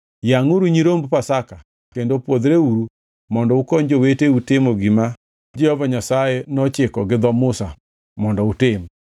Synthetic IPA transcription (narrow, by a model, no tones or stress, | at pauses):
jaŋuɾuɲiɾombpasaka | kkendopwod̪ɾeuɾu | mɔndɔukɔɲd͡ʒoweteutɪmoɡima | d͡ʒɛhɔvaɲasajenɔt͡ʃɪkɔɡɪd̪ɔmʊsa̰ | mɔndɔutɪm